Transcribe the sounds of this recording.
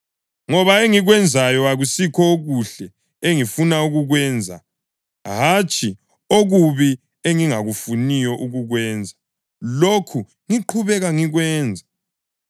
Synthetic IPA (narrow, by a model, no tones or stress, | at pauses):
ŋɔβaeŋiɣwɛnd͡zʱajɔaɣusikʰɔoɣuɬɛ | eŋifunauɣuɣwɛːnd͡zʱa̰ | ɦat͡ʃʼʰi | oɣuβi | eŋiŋaɣufunijɔʔuɣuɣwɛːnd͡zʱa | lokʰu | ŋiǃʰuβɛɣaŋiɣwɛːnd͡zʱa